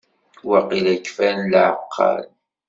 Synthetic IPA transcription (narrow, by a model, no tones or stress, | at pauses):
wɑqilækːfænlʕəqʰːɑ̰l